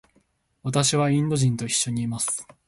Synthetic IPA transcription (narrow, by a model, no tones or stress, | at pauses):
βat̪aɕiβaĩnd̪o̞ʑĩnt̪o̞iɕːo̞ɲ̟iːmasɨ̥